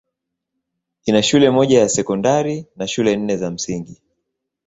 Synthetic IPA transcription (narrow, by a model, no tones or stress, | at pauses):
inaʃulɛmɔʄajasɛkɔndaɾinaʃulɛn̩nɛzam̩siŋɡi